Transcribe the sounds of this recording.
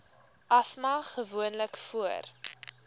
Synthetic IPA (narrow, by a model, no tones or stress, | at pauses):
ʔɐsmɐχəvuənləkfuər